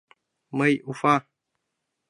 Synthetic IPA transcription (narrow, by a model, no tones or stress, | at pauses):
məjʔufã